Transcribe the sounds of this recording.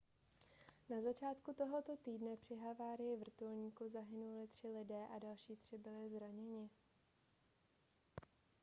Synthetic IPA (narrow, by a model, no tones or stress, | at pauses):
nazat͡ʃaːt̪kut̪o̞ɦo̞t̪o̞t̪iːdnɛpr̝̥ɪɦavaːɾɪjɪvr̩t̪ulɲiːkuzaɦɪnulɪt̪r̝̥ɪlɪdɛːʔadalʃiːt̪r̝̥ɪbɪlɪzɾaɲɛɲɪ